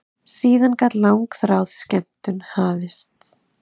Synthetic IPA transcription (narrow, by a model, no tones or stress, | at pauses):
siːðankat̪lawŋkθɾaːwð̥scɛm̥t̪ʏnhaːvɪst̪